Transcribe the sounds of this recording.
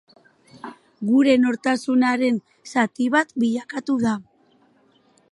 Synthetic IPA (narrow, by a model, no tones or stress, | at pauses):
ɡuɾe̞no̞ɾt̪asunaɾe̞n | sat̪iβat̪biʎakat̪uða